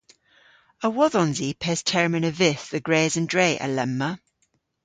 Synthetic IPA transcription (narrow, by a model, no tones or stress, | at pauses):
əwɔðɔ̃nzipʰɛːz̥tʰɛɹmə̃nəvɪθðəɡɹeːzə̃ndɹeɪʔə̰lɛmːə